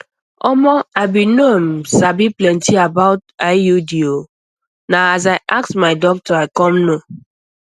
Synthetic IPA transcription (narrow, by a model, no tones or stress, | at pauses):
ɔmɔaɪbinom̩sabiplɛ̃ntiabaʊtaɪjudio | naazaɪʔaksmaɪdɔk̚tɔaɪkɔmno